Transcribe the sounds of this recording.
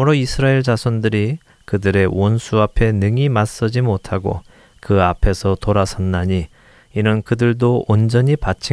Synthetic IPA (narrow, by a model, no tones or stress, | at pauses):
uɾoisʰɯɾaeɭd͡ʑasʰʌndɯɾi | kɯdɯɾe̞wʌnsʰuapʰe̞nɯŋimas͈ʌd͡ʑimotʰaɡo̰ | kɯapʰe̞sʰʌtoɾasʰʌnːaɲi | inɯnkɯdɯɭdoond͡ʑʌɲipat͡ɕʰi